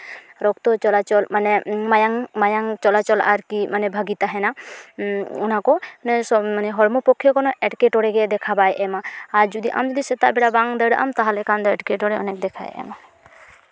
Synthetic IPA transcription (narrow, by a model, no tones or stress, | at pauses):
ɾɔkt̪ɔt͡ʃɔlat͡ʃɔlmanɛmajaŋmajaŋt͡ʃɔlat͡ʃɔla̰ɾkimanɛbʱaɡit̪aɦɛna | unakɔnsɔmanɛɦɔɽmɔpɔkʰːjɔkɔnɔʔɛʈkɛʈɔɽɛɡɛd̪ɛkʰabajʔɛmaːɾd͡ʒud̪iʔa̰md͡ʒɔd̪isɛt̪a̰ʔbɛɽabaŋd̪əɽʔa̰mt̪aɦalɛkand̪ɔɛʈkɛʈɔɽɛɔ̰nɛk̚d̪ɛkʰa̰j̰ʔɛ̰ma